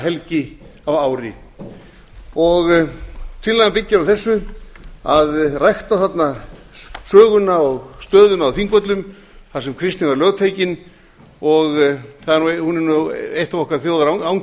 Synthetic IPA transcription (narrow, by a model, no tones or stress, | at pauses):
ɦɛlcɪavaːwɾɪ̰ | ɔɣt̪ʰɪllːajɣampɪcːɪɾawθɛsːʏ | aðrajxt̪aθat̪na | sœːɣʏnaɔɣst̪œːðʏnaːwθiŋkvœt̪lʏm | θasɛmkʰɾɪst̪nɪnvaɾlœɣt̪ʰeːjcɪn | ɔɣθaðanuhunɛnejht̪avɔkvaɾθjowðaɾaawŋ